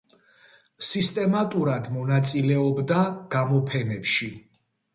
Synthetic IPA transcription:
sist̪ʼɛmat̪ʼuɾad̪mɔnat̪sʼilɛɔbd̪aɡ̥amɔpʰɛnɛpʃi

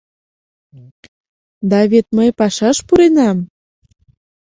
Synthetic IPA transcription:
d̪ɑβet̪̚məjpɑʃɑʃpuɾenɑm

